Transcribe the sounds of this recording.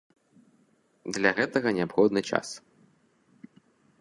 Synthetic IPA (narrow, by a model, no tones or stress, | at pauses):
d̪lʲaɣɛt̪ɐɣɐnʲɛapxɔd̪nɨt͡ʂa̰s